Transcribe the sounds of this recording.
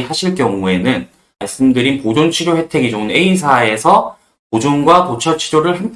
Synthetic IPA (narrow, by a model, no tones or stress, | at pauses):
haɕʰiɭkjʌŋue̞nɯn | maɭs͈ɯmdɯɾinpod͡ʑont͡ɕʰiɾjohe̞tʰe̞ɡid͡ʑoɯne̞is̬ʰae̞sʰʌ | pod͡ʑonɡwapot͡ɕʰʌt͡ɕʰiɾjoɾɯɭɦeŋ